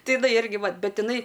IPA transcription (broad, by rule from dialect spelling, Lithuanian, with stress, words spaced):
ˈtɐɪ ɪˈnɐɪ ˈɪrʲɡʲɪ ˈʋɐ ˈbʲɛt ɪˈnɐɪ